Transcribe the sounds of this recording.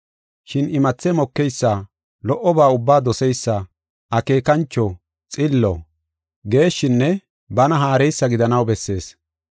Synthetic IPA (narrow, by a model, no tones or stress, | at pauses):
ʃɪnɪmɐt͡sːɛmɔkːɛjsːa | lɔʔɔbaːʊbːaːd̪ɔsɛjsːɐ | ɐke̞ːkɐnt͡ʃːɔ | t͡sʼɪlːɔ̰ | ɡe̞ːʃɪnːɛ | bɐnɐɦaːɾɛjsːɐɡɪd̪ɐnɐwbɛsːe̞ːs